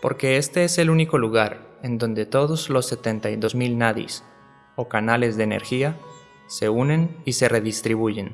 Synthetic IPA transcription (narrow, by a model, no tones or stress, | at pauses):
po̞̰ɾke̞e̞st̪e̞ese̞luniko̞luɣaɾe̞nd̪o̞nd̪e̞t̪o̞ðo̞zlo̞sːe̞t̪e̞nt̪ajðo̞zmilnaðḭs | o̞kanale̞zðe̞ːne̞̰ɾxia | se̞une̞nise̞re̞ðist̪ɾiβuʝe̞n